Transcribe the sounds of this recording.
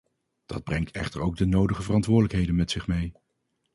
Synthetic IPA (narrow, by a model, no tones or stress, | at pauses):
d̥ɑ̰d̚brɛŋtʰɛχtəɹowɡ̚dənowdəχəvərɑntʋʊːɹdələkɦejdənmɛtsɪχmej